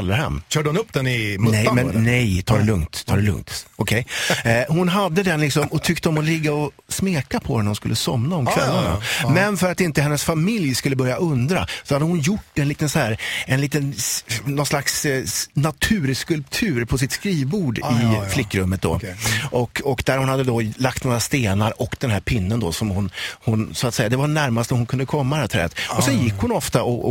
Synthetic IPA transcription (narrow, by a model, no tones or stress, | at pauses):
lːəɾhɛ̰mːɕœːɖəhʊnɵpːd̪̥ɛnɪmnɛmɛnnɛjt̪ʰɑːɾɛlɵŋt̪ʰɑ̰ːdɛlɵ̰ŋt̪ɔkʰɛjhʊnɦad̪ːəd̪ɛnlɪksɔmɔt̪ʰʏkt̪əɔmɔlɪɡːaɔ | smeːkapʰɔɛnːhʊnskɵlːəsɔmnaɔmkʰvɛlːaɳa̰mɛnfœɾat̪ɪnt̪əhɛnːəsfamɪljskɵlːəbœɾjaʔɵnd̪ɾa̰sɔhad̪ːəhʊnjʊʈːɛnliːt̪ənsɔhæːɾɛnliːt̪ənnɔnslaksnat̪ʰʉ̟ːɾskɵlpt̪ʰʉ̟ːɾpʰɔs̬ɪt̪skɾiːvbuːɖɪflɪkːɾɵmːət̪̚d̪o̰ːʔɔkɔkd̪æɾhʊnhad̪ːəd̪ɔlak̚t̪noːɾast̪eːnaɾɔkd̪̥ɛnhɦæːɾpʰɪnːənd̪osɔmhʊnhʊnsʊat̪sɛjad̪ɛvaɾnæɾmast̪ɔhʊnkʰɵnd̪əkʰɔmːaat̪ʰɾɛ̰ːt̪ɔsɛnjɪkːhʊnɔft̪aʔɔ